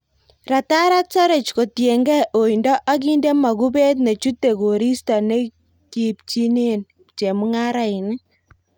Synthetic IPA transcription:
ɾa˨ta˦ɾa˦sa˦ɾe˨t͡ʃko˨tje˨ŋɡɛ˦ʔo˨i˨ndɔ˦ʔa˦k̬i˦nde˦ma˨ku˦be˦t̬ne˨t͡ʃu˦tːe˨ko˨ɾi˦sta˨ne˦ | ki˨p̚t͡ʃi˦ne˦n | t͡ʃe˨mu˦ŋa˦ɾa˦i˨ni˦

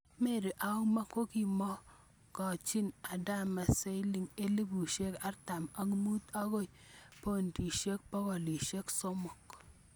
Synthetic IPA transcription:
me˦˨ɾi˨ʔa˨ʊ˦ma˦ko˦ki˨mɔ˦ | kɔ˨t͡ʃi˦na˨da˦ma˨se˦jli˨ŋe˦li˦bu˨ʃe˦ka˦rta˨ma˨˦ŋi˦mu˦ta˦ko˦˨jpo˦ndi˨ʃe˦k̚pɔ˦kɔ˨li˨ʃe˦kso˦mɔ˨k

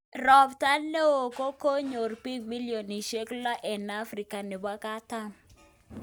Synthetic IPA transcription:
rɔ˨bta˦lne˦o˨ko˦ko˦ɲo˨rpi˦ɡmi˦ljo˨ni˨ʃe˦kla˦ʔɛ˨na˦fɾi˨ka˨nɪ˨ba˦ka˦ta˦m

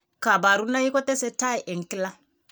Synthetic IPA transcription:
ka˨ba˨ɾu˦na˦ji˦kɔ˦t̪ɛ˦sɛ˦ta˦i˨ʔɛ˨ŋ̩˨ki˦la˦

